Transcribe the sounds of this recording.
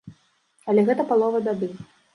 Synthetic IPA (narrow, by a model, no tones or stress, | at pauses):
ɐlʲɛɣɛt̪ɐpalˠɔvɐd̪ad̪ɨ